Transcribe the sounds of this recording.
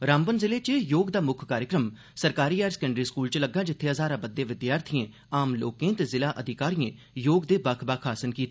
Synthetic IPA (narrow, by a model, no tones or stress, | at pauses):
ɾãːmbənzɪleːt͡ʃəjoːɡd̪aːmʊkʰkaːɾjəkɾəm | səɾkaːɾiːaːɾsə̥kəɳɖɾiːskuːlt͡ʃləɡːaːd͡ʒɪt̪ʰːeːəzaːɾãːbəd̪ːẽːʋɪd̪jaːɾt̪ʰijẽː | aːmlo̰ːkẽːt̪ezɪlaːʔəd̪ʱɪkaːɾiːẽː | joːɡd̪eːbakʰbaːkʰaːsənkiːt̪ː